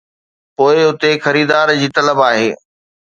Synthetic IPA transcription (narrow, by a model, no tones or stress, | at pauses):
poːɪʊt̪exɐɾiːd̪aːɾd͡ʑiːt̪ɐləbaːɦḛː